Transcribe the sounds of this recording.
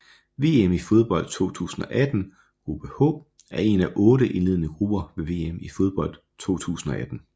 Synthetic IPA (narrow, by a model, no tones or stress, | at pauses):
ʋe̝̰ːemifo̝ð̞ˠb̥ɒ̽l̰d̥̚t͡sʰo̝̰ːt͡sʰṵːsn̩ɒ̽ʔæd̥n̩ | ɡ̥ʁub̥əhɔ̰̽ː | æɐe̝næʔɔ̽ːɾəʔe̝nle̝ð̞̰ˠənəɡ̥ʁub̥ɐʋe̝ʋe̝̰ːemifo̝ð̞ˠb̥ɒ̽l̰d̥ | t͡sʰo̝̰ːt͡sʰṵːsn̩ɒ̽ʔæd̥n̩